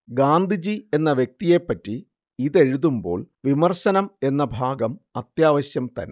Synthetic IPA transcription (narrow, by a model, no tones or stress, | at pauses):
ɡaːnd̪ʱid͡ʑie̞nːɐʋjek̚t̪ije̞pːɐtːi | iðe̞ɻuðumbo̞̰ːɭʋimɐrsɐnɐme̞nːɐbʱaːɡɐmɐt̪jaːʋɐɕjɐmt̪ɐ̰ne